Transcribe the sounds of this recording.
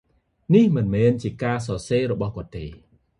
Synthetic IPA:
nihmɨnmɛːnt͡ɕiəkaːs̬ɑːseːɾɔɓɑhkŏət̪ːeː

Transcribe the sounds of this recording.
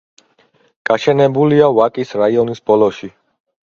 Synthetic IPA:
ɡ̥aʃɛnɛbuliavakʼisɾaiɔnisb̥ɔlɔʃi

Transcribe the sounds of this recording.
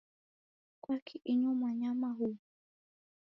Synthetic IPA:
kwakʰiʔiɲɔmwaɲamaɦuː

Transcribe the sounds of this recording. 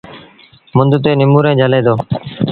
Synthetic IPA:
mʊnd̪t̪eːnɪmuːɾẽːd͡ʒʱəleːd̪oː

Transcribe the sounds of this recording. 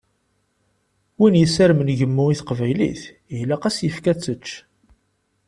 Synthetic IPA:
winjəsæɾmənʝəmːuiθqvæjlḭθ | laqæsjəfkæt͡sːət͡ʃː

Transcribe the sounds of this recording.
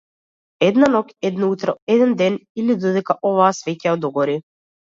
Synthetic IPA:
ɛd̪nanɔkɛd̪naut̪ɾɔɛd̪ɛnd̪ɛnilid̪ɔd̪ɛkaʔɔvaːsvɛcaɔd̪ɔɡɔɾi

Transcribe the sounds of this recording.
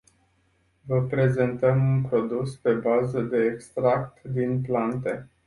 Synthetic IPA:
vəpɾe̞ze̞nt̪əmunpɾo̞d̪uspe̞bazəd̪e̞ːkst̪ɾak̚t̪d̪inplant̪e̞

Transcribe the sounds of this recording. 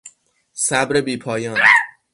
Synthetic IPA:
sæbɾe̞biːpʰɒːjɒːn

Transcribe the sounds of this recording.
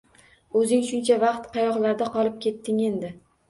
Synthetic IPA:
ɵzɪŋʃʊnt͡ʃʰavɑqt̪qʰɑjɒʁlaɾd̪aqɒlˠɪp̚kʲe̞t̪ːɪŋe̞nd̪ɪ

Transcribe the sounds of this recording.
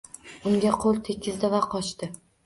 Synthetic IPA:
ʊŋɡʲaqʰolˠt̪ʰekʲʰːɪzd̪ɪvaqʰɒt͡ʃt̪ɪ

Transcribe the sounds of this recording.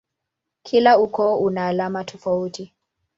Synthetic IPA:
kʰilaukɔunaːlamatʰɔfauti

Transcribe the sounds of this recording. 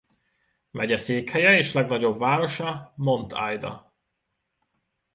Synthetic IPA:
mɛɟɛseːkhɛjɛeːʃlɛɡnɒɟo̞bvaːɾo̞ʃɒmo̞nt̪ʰa̰jd̪ɒ̰

